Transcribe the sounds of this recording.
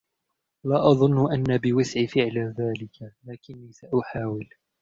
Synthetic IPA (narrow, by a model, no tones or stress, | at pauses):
laːʔɑðˤʊnːʊʔanːabɪwɪsʕfɪʕlaðaːlɪkalaːkɪnːiːsaʔʊħaːwɪl